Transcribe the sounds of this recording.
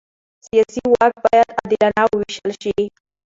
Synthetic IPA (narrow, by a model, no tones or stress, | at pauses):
sijɑsiwak̪̚bɑjad̪ad̪ilanawəwiʃəlʃi